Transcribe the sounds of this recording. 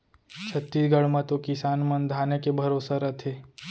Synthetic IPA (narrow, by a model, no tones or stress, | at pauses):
t͡ʃʰət̪ːiːsɡəɽ̤mɐt̪okɪsaːnmɐ̃nd̪ʱaːnekebʱɐɾoːsəɾɐt̪ʰeː